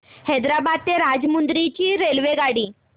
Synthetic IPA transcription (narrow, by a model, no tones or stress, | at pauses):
hɛd̪ɾabad̪̚t̪eɾad͡zmund̪ɾit͡ɕiːɾelʋeɡaɽiː